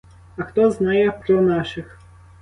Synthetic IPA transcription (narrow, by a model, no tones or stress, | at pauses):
ɐxt̪ɔznajɛpɾɔnaʃɪx